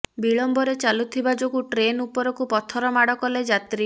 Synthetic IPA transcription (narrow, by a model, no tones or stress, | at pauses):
biɭɔmbɔɾet͡ʃalut̪ʰibad͡ʒoɡuʈɾenupɔɾɔkupɔt̪ʰɔɾɔmaɽɔkɔled͡ʒat̪ɾi